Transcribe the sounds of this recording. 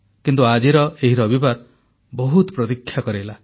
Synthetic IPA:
kint̪uad͡ʒiɾɔeɦiɾɔbibaɾ | bɔɦut̪ɔpɾɔt̪ikʰːjakɔɾela

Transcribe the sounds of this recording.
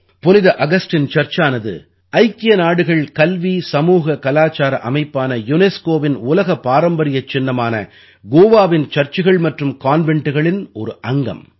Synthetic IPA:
pɔnɪðɐʔɐɣɐsʈɪnt͡ʃɐrt͡ʃaːnɐðɯ̰ | ɐɪkːɪjɐnaːɽɯɣɐɭkɐlʋisɐmuːɣɐkɐlaːt͡ʃaːɾɐʔɐmɐɪpːaːnɐjʊneskoːʋɪnʊlɐɣɐpːaːɾɐmbɐɾɪjɐt͡ʃːɪnːɐmaːnɐ | ɡoːʋaːʋɪnt͡ʃɐrt͡ʃɪɣɐɭmɐʈrɯmkaːnʋɛɳʈɯɣɐɭɪnɔɾɯʔɐŋɡɐ̰m

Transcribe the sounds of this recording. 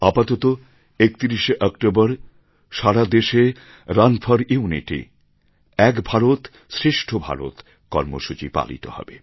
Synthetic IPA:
apat̪ot̪o | ek̚t̪iɾiʃeʔɔkʈobaɾ | ʃaɽad̪eʃe | ɾanfʰaɾuunḭʈḭ | ɛkbʱaɾot̪ | sɾeʃʈʰobʱa̰ɾo̰t̪ | kɔɾmo̰ʃut͡ɕipa̰lḭt̪o̰hɔ̰be

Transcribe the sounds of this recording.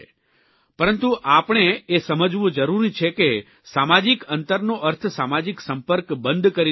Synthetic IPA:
pəɾənt̪ũʔapɳ̃eesəməd͡ʒʋũd͡ʒəɾuɾit͡ʃʰeke | samad͡ʒikənt̪əɾnoʔəɾt̪ʰsamad͡ʒiksəmpəɾkbənd̪ʱkəɾi

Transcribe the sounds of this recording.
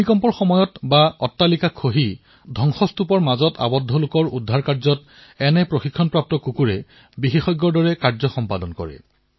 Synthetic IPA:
nikɔmpɔɹxɔmɔjɔtbaɔtːalikakʰoɦi | dʱɔŋxɔstupɔɹmazɔta̰bɔdʱːɔlʊkɔɹudʱːaɹkaɹzɔt | ɛnɛpɹoxikʰːɔnpɹap̚tɔkukuɹɛ | bixixɔjɡːɔɹdɔɹɛkaɹzɔxɔmpadɔnkɔ̰ɹɛ̰

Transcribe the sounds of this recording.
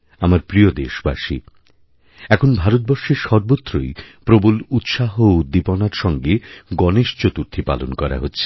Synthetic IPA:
amaɾpɾiod̪eʃba̰ʃḭ | ɛkʰonbʱaɾot̪̚bɔɾʃeɾʃɔɾbot̪ːɾojpɾobulut̪ʃaɦoud̪ipɔnaɾʃɔŋɡeɡɔneʃt͡ɕot̪uɾt̪ʰipa̰lonkɔɾa̰ɦotːɕʰe̥

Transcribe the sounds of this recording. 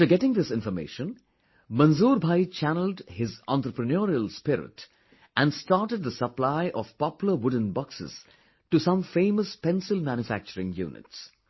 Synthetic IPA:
aftəɡɛʈɪ̃ŋd̪ɪsɪ̃nfɔmḛɪːʃə̃n | mʌ̃nzuːɾbʱaɪt͡ʃʰænəl̩dhɪzã̰ntɾəpɾənoːɾiəlspɪɾɪ̰ʈ | ʔæ̃nɖsʈaːʈəd̪̚d̪əsəplaɪʔɔv̥pɑpjl̩əwʊɖə̃n̩bɑksɪ̰z̥ | ʈusʌ̃mfẽːməspɛ̃nsɪlmæ̃njʊfæk̚t͡ʃəɾɪ̃ŋjṵːnɪ̰ts

